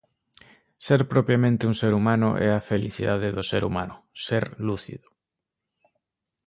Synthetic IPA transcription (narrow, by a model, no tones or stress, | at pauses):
seɾpɾɔpɾjamẽnt̪ɪuŋseɾumãnʊ̰ʔɛafeliθiðaðeðʊseɾṵma̰nʊseɾluθḭðʊ̥